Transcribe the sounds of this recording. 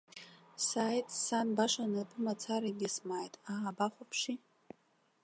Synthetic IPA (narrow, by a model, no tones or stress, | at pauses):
saːjtʼsanbaʂanɨpʰɨmat͡sʰaɾaɡʲɪsmaːjtʼaːbaχʷapʰʂi